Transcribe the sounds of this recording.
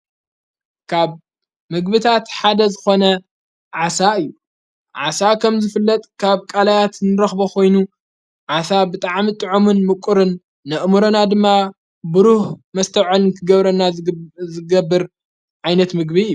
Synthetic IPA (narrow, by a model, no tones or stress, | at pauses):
kʰaβ | mɨɡbɨt̪ʰat̪ħad̪ɐzɨxo̞nɐ | ʕasaɨjːu | ʕa̰sakʰɐmzɨfɨlːɐt̪ʼkʰaβkʼalajat̪nɨɾɐxbokʰo̞jnu | ʕasabɨt̪ʼaʕmit̪ʼɨʕomɨnmɨkʼʊɾɨnː | ɐʔmuɾonad̪ɨmːa | bɨɾuhmɐst̪ʰɐʕunnk̪ʰɨɡɐβɾɐnːazɨɡɐbːɨɾ | ʕajnɐt̪mɨɡ̚biɨjːu